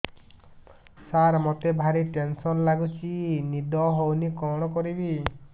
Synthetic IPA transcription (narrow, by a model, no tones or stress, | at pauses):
saɾmot̪ebʱaɾiʈensɔnlaɡut͡ʃʰinid̪ɔɦownikɔɽ̃ɔkɔɾibi